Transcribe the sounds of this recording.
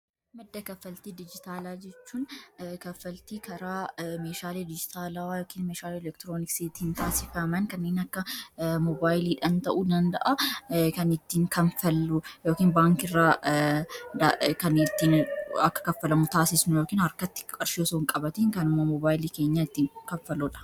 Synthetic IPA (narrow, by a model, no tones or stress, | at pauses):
mɐd̪ːɐkɐfːɐlt̪iːd̪ɪd͡ʒɪt̪aːlaːd͡ʒɛt͡ʃːuːnkɐfːɐlt̪iːkʰɐɾaːmeːʃaːled̪ɪd͡ʒɪt̪ʰaːlajoːkiːnmeːʃaːleɛlɛkt̪ɪɾoːnɪkset̪ːɪnt̪aːsɪfɐmɐnkɐnːeːnɐkːɐmɔbaːjliːᶑɐnt̪ɐʔuːd̪ɐnd̪ɐ̰ʔɐkɐnɪt̪ːiːŋkɐnfɐlːʊjoːkiːnbaːŋkɪrːaː | d̪akɐnɪt̪ːiːnɐkːɐ̥kɐfːɐlɐmʊt̪aːsɪsnʊjoːkiːnhɐɾkɐt̪ːɪ̥kʼɐɾʃoːsoːŋkʼɐbɐt̪eːŋkɐnʊmɐmɔbaːjliːke̞ːɲːaːɪt̪ːiːŋkɐɱfɐlɔᶑɐ̥